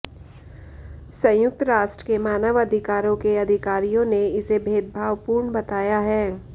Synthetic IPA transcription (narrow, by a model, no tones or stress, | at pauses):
sɐ̃jʊk̚t̪ɾaːʃʈɾə̥kemaːnəʋɐd̪ʱɪkaːɾõkeɐd̪ʱɪkaːɾijõneɪsebʱeːd̪̚bʱaːʋpuːɾɳbɐt̪aːjaɦɛː